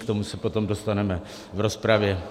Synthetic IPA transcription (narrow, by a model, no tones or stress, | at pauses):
kt̪o̞musɛpo̞t̪o̞mdo̞st̪anɛmɛ | vɾo̞spɾavjɛ